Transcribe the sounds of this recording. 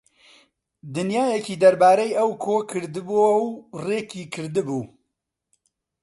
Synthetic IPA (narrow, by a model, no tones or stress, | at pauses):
d̪ɨnjaːjɛkiːd̪ɐɾbaːɾɛjʔɐwkʰoːkʰɨɾd̪ɨbowreːkiːkʰɨɾd̪ɨbuː